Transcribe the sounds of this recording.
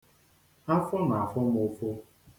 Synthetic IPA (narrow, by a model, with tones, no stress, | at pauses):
a˦fɔ˦na˨a˨fɔ˦mʊ˨fo˦